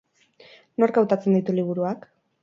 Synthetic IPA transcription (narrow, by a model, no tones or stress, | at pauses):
no̞ɾɡawt̪at͡se̞nd̪ijt̪uliβ̞uɾuak